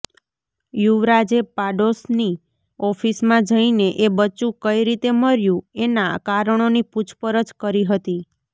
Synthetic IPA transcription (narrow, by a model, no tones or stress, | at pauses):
juʋɾad͡ʒepaɖosni | ɔfʰismãd͡ʒəineʔebət͡ʃũkəiɾit̪eməɾjũenakaɾəɳ̃oniput͡ʃʰpəɾəd͡ʒkəɾiɦət̪i